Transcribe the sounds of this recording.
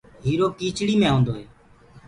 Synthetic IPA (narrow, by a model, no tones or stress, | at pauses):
ɦiːɾoːkiːt͡ʃɽiːmẽːɦõːnd̪oːɦeː